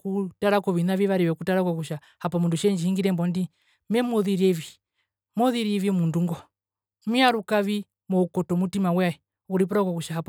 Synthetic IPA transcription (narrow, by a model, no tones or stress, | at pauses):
kutaɾakɔʋinaʋiʋaɾiwɛkutaɾakɔkuʃa | hapɔmunduʃɛnd͡ʒihiŋɡiɾɛmbɔndi | mɛmɔðiɾiɛvi | mɔðiɾiɛvimunduŋɡɔ | miaɾukaʋi | mɔukɔtɔmutimawaɛ | uɾip̬ɔɾakɔkuʃaɦapɔ